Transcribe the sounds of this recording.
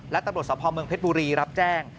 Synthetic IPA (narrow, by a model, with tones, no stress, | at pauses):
lɛ˦˥t̪a˧mɾt̪sɔː˩˦pʰɔː˧mɯ˧əŋpe˦˥t̪̚buː˧ɾiː˧ɾa˦˥p̚t͡ɕɛː˥˩ŋ